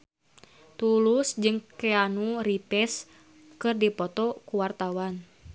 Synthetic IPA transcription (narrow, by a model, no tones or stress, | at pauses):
t̪ulusd͡ʒɨŋkɛanuɾipɛs | kɨrdipɔt̪ɔkuwart̪awan